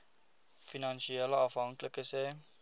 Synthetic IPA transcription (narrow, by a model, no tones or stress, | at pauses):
finɐnʃiɛləɐfɦɐŋkləkəsɛː